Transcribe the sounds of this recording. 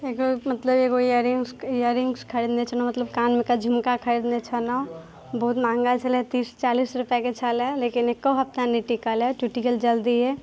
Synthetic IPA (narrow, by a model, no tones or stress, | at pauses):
eːkomɐt̪ləbekojəɾɪŋsjəɾɪŋɡskʰɐɾid̪net͡ʃʰənãmɐt̪ləb̚kaːnmẽkad͡ʒʱumkakʰɐɾid̪net͡ʃʰənaõ | bɔɦʊt̪mãːŋɡat͡ʃəlɛt̪iːst͡ʃaːliːsɾʊpɛket͡ʃʰalɛleːkɪnekːoɦɐp̚t̪aniʈikəlɛʈuʈikəld͡ʒəld̪iɦɛː